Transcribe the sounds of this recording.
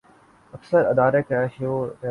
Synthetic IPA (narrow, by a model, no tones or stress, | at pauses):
ɐksəɾɐd̪aːɾekaʃoːɾe